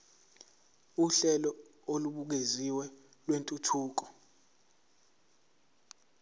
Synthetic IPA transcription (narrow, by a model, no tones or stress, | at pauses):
uɬɛlɔ | oluɓuk̬eziwɛ | lwentʼutʰuːk̬ɔ̥